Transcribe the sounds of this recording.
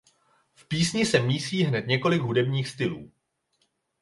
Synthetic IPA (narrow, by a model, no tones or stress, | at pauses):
fpiːsɲɪsɛmiːsiːɦnɛt̪ɲɛko̞lɪɡɦudɛbɲiːxst̪ɪlṵː